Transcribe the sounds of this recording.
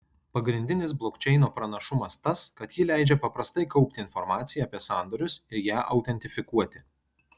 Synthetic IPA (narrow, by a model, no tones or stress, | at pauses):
pɐɡɾʲɪnʲd̪ʲɪnʲɪs̬blˠokʲt͡ʃʲɛɪnoːpɾɐnɐʃʊmɐst̪ɐskɐt̪jɪlʲæˑɪd͡ʒʲɛpɐpɾɐst̪ɐɪkɒʊpʲt̪ʲɪɪnfɔɾmɑːt̪sʲɪjɛːpʲiɛsɑːˑnd̪oːɾʲʊsɪɾjæːʔɐʊt̪ʲɛnʲt̪ʲɪfʲɪkuɔt̪ʲɪ